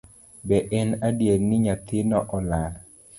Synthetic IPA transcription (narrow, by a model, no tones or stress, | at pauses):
bɛʔɛnadjeɾnɪɲat̪ɪnɔʔɔlal